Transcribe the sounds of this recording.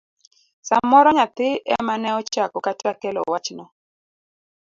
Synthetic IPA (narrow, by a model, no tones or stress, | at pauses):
samɔɾɔɲat̪ɪʔɛmanɛɔt͡ʃakɔkatakɛlɔ̰wat͡ʃnɔ